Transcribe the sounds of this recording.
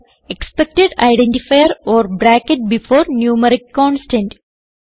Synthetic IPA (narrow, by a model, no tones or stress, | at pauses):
ekspek̚ʈeɖa̰ɪɖẽɳʈifajəɾɔːɾbɾæːkeʈ̚bifoːɾnjuːməɾikːɔ̃ːnsʈẽɳʈ